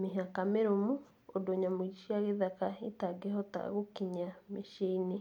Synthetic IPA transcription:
meɦakameɾomu | odoɲamoiʃiaɣeðakaitaɡeɦɔta̰ɣokiɲameʃini

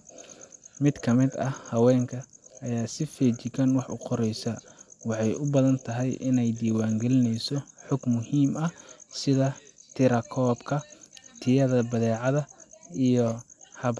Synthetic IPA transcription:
mɪd̪kʰɐmɪd̪ɐhɐwɛːŋkʰɐːjaːsɪfɛːt͡ʃɪkɐnwɑħʊ̰qɔɾɛjsɐwɑħɑjʊbɐðɐnt̪ʰɐɦɛjʔɪnɛjd̪iːwaːŋɡɛlɪnɛjsɔħʊɡmʊhiːmɐsɪðɐt̪ʰɪɾɐkʰɔːbkʰɐt̪ʰɪjɐðɐbɐðɛːʕɑðɐijɔhɐb

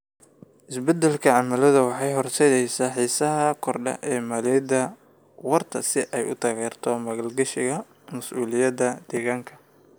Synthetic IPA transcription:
ʔɪsbɛd̪ɛlkʰɐʕɑmɐlɐðɐwɑħɑjɦɔrt̪ʰɛðɛjsaːħiːsɐɦɐkʰɔrɖɐ̰ʔɛːmɐːlɛːd̪ɐ | wɐrt̪ʰɐ̰sɪʔɛjʊ̰t̪ʰɐɣɛːrt̪ʰɔmɐɣɐlɡɐʃɪɣɐ | mɐsʔuːlɪjɐd̪ɐd̪̥ɛːɣaːŋkʰɐ̥

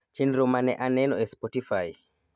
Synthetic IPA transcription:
t͡ʃinɾomanɛʔanɛnɔɛspɔtifaj

